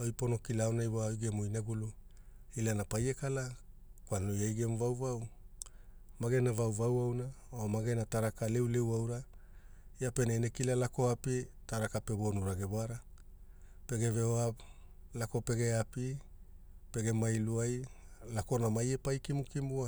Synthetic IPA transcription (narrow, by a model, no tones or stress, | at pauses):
ojpo̞no̞kilaonajwaojɡemojnaɡulu | ilanapaje̞kalakwalojajɡe̞mvawvaw | maɡe̞navawvawawnaomaɡe̞nataɾakale̞wle̞wawɾa | jape̞naenekilalako̞apitaɾakape̞βo̞nuɾaɡeβoaɾa | pe̞ɡe̞veoa | lako̞pe̞ɡe̞api | pe̞ɡe̞majluajlako̞namaje̞pajkimukimua